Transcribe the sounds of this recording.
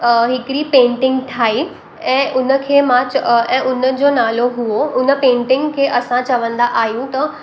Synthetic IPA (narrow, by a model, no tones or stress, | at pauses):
ɦɪkɾipẽːɳʈɪ̃ŋɡt̪ʰaːi | ɛ̃ːʔʊnə̆kʰeːmãt͡ɕɛ̃ːʔʊnə̆d͡ʑoːnaːloɦuoʊnə̆pẽːʈɪ̃ŋɡkʰeːʔɐsãt͡ɕɐʋə̃nd̪aʔaːɦjũt̪ɐ